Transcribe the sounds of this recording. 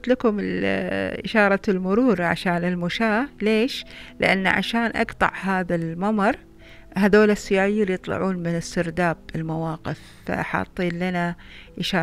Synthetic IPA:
t̪lakʊmɪlʔɪʃɑːɾˤɑlmʊɾuːɾʕa̰ʃaːnɪlmʊʃaːleːʃlɪ̰ʔanːʕa̰ʃaːnʔɑ̰qt̪ˤɑ̰ʕɦaːðalmɑmɑɾˤ | haðoːlasːɪjaːʕɪjːaljɨt̪ˤlɑ̰ʕuːnmɪnɪst̪ɪɾd̪aːb̚ɪlmawɑːqɪfːa̰ʔa̰ħɑ̰t̪ˤːiːnlana | ʔɪʃɑː

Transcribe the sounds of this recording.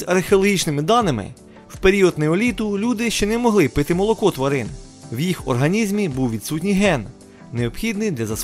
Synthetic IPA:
ɐrxeɔlˠɔɦʲit͡ʃnɪmɪd̪ɑnɪmɪ̰ | wpeɾʲiɔd̪nɛɔlʲit̪ʊlʲud̪ɪʃt͡ʃɛnɛmɔɦlˠɪpɪt̪ɪmɔlˠɔkɔt̪ʋɐɾɪn | wjixɔ̰rɦɐnʲizʲmʲibuwʋʲit̪sut̬ʲnʲijɦɛnː | eɔpxʲid̪nɪjd̪lʲɐzɐs

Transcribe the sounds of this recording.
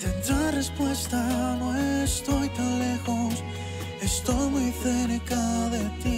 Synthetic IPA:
t̪e̞nd̪ɾarespwe̞st̪anoest̪o̞jt̪ãnle̞xos | est̪o̞jmujθenekaðet̪i

